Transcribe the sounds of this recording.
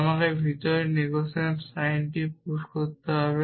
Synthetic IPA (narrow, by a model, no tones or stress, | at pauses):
makebʱit̪ɔɾeniɡosensajnʈip̚uʃkoɾt̪eɦɔβe